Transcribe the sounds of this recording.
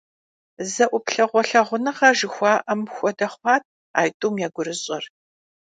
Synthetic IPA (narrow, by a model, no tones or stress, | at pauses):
zɐʔʷʊpɬɐʁʷɔɬɐʁʷʊnɨʁɐʒɨxʷɑːʔɐmxʷɔdɐχʷɑːt̚ʰ | a̰ːjtʼuːmjaːɡʷʊɾɨɕʼɐr